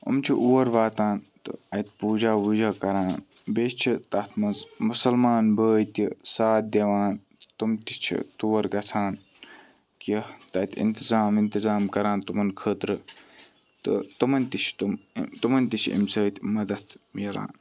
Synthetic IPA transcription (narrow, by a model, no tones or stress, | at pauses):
ɐ̰mt͡ʃʰiʔuːɐɾʋaːt̪ãːnt̪ɨ̰ɐt̪puːd͡ʒaːʋud͡ʒaːkɐɾaːn | bet͡ʃʰit̪ɐt̪ʰmɐnzmusɐlmaːnbəːjt̪isaːt̪̚d̪ʲɐʋaːn | t̪umt̪it͡ʃʰḭt̪uːɐɾɡɐt͡sʰaːn | kit̪ɐt̪ʰḭnt̪izaːmint̪izaːmkɐɾãːnt̪umɐnkʰəːt̪ɾɨ | t̪ɨ̰t̪ɨmɐnʲt̪it͡ʃʰt̪umt̪umɐnʲt̪it͡ʃʰiḭmsəːt̪ʲimɐd̪ɐt̪ʰmjɐla̰ːn